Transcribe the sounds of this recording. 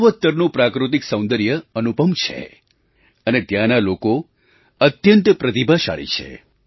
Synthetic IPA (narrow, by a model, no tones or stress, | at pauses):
ʋət̪ːəɾnũpɾakɾut̪̬iksə̃w̃nd̪əɾjəənupəmt͡ʃʰḛ | ənet̪jãnaloko | ət̪jənt̪pɾət̪ibʱaʃa̰ɭḭt͡ʃʰḛ